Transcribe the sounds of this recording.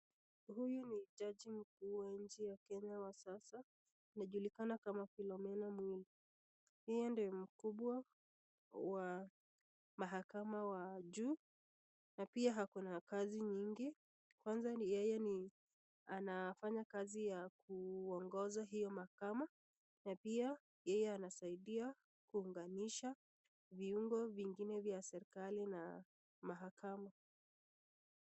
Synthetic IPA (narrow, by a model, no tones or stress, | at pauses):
hujuniʄaʄim̩k̚uːwaɲ̩t͡ʃijakɛɲawasasa | inaʄulikanakamafilɔmɛnamwili | hijɔndiɔm̩kuɓwa | wa | maɦakamawaʄuː | napiaɦakunakaziɲiŋɡi | kwanzajɛjɛni | anafaɲakazijakuɔŋɡɔzaɦijɔmahakama | napia | jɛjɛanasaiɗia | kuːŋɡaniʃa | viuŋɡɔviŋɡinɛvjasɛɾikalina | maɦakama